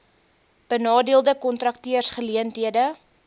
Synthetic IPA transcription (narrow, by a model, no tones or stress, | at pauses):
b̥ənɑːdiəlˠdəkɔntrɐk̚tiərsχəliəntɦiədə